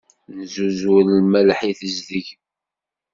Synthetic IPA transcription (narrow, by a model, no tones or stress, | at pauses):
nzuzwllmælħiθəzðəʝ